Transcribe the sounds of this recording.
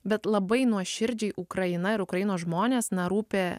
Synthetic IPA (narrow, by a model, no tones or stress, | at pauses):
bʲɛt̪lˠɐbɐɪnuɔʃʲɪɾʲd͡ʒʲɛɪʔʊkɾɐɪnɐɪɾʊkɾɐjɪnoːsʒmoːnʲeːsnɐɾuːpʲeː